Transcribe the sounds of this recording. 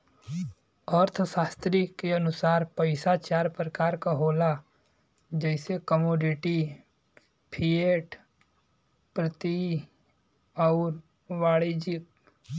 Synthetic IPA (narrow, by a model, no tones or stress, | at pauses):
ɔːɾt̪ʰʃaːst̪ɾikeɐnʊsaːɾpəɪsat͡ʃaːɾpɾəkaːɾkaɦoːla | d͡ʒɛɪsekəmoːɖɪʈi | pʰieʈ | pɾət̪i | ɔːɾ | ʋaːɽid͡ʒɪk̚